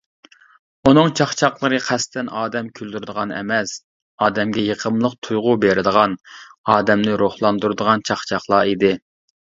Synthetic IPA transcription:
unɨŋt͡ʃʰɑχt͡ʃʰɑχlˠəɾɨqʰæst̪ʰɛnɑːd̪ɛmkʲʰyld̪yɾɨd̪əʁɑnɛ̰mɛs | ɑːd̪ɛmɡʲɛjeqʰəmlˠəqt̪ʰujʁʊbeɾɪd̪əʁɑnɑːd̪ɛmnɪɾoχlˠɑnd̪uɾɨd̪əʁɑnt͡ʃʰɑχt͡ʃʰɑχlˠɑid̪ɪ

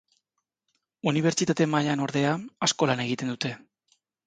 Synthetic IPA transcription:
uniβ̞e̞ɾt͡ʃit̪at̪e̞maʎano̞ɾðe̞aasko̞lane̞ɣ̞it̪e̞nd̪ut̪e̞

